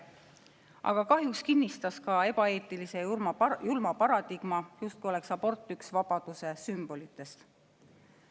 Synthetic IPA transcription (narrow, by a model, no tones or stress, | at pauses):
ʔɑ̰ɡ̥ɑkɑɦjukskinːist̪ɑskɑe̞b̥ɑe̞ːt̪ˑilise̞mɑjulmɑpɑɾɑd̪iɡ̥mɑjust̪̚kujo̞le̞ksɑb̥o̞rt̪ːˑyksvɑb̥ɑd̪̥use̞symb̥o̞lit̪ːˑe̞st̪